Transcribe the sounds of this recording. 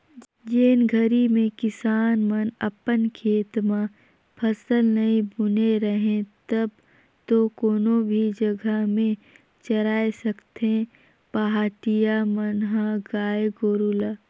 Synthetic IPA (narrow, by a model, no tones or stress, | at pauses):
d͡ʒeːnɡʱəɾimẽkɪsaːnmənɐpənkʰeːt̪ma | pʰɐsəlnɐĩbʊneɾəɦẽt̪ɐb̚ | t̪okoːnobʱid͡ʒɐɡəmẽ | t͡ʃɐɾaːesɐkt̪ẽ | paɦaːʈijamənɦãɡaːjeɡoːɾulaː